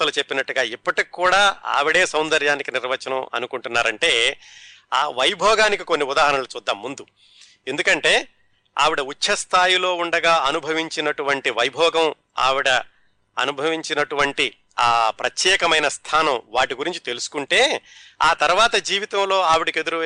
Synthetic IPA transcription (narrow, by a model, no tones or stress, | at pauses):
t̪ːɐlut͡ʃe̞pːinɐʈːuɡaːipːɐʈikikːuːɽaːa̰ːʋiɽe̞ːsɐwnd̪ɐɾjaːnikiniɾʋɐt͡ʃːɐnɐmɐ̰nukuɳʈunːaːɾɐɳʈe̞ː | aːʋɐjbʱɔːɡaːnikiko̞nːiud̪aːɦɐɾɐnɐlut͡ʃuːd̪ːaːmːund̪u | e̞nd̪ukɐɳʈe̞ː | a̰ːʋiɽɐut͡ʃːɐst̪ʰaːjilo̞ːuɳɖɐɡaːɐnubʱɐʋiɲt͡ʃinɐʈuʋɐɳʈiʋɐjbʱɔːɡɐm | a̰ːʋiɽɐ | ɐ̰nubʱɐʋiɲt͡ʃinɐʈuʋɐɳʈi | aːpɾɐt̪jɛːkɐmɐjnɐst̪ʰaːnɐmʋaːʈiɡuɾiɲt͡ʃi̥t̪e̞lusu̥kuɳʈe̞ːaːt̪ɐɾuʋaːt̪ɐd͡ʒiːʋit̪ɐmlo̞ːaːʋiɽike̞d̪uɾu